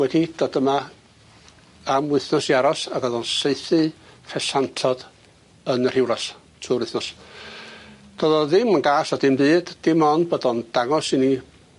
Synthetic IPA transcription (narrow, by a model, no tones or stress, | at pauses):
wɛdid̥ɔdəma | amwɪθnɔsiaɾɔsaɡɔðɔnseɨθɨfʰɛsantʰɔd̥ | ənr̥ɪwlˠas | tʰuːɾwɪθnɔs | d̥ɔðɔðɪmənɡaːsɔdɪmbɨːd̥ːɪmɔnbodɔnd̥aŋɔsini